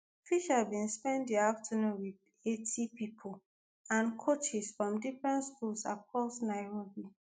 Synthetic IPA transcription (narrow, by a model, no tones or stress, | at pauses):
fiʃavbĩnspɛ̃ndiaftʰənũnwið | etʰipipʰol | ãnkʰot͡ʃisfɹɔ̃mdifɹɛ̃ntskulsakʰɹɔsnaɪɹobi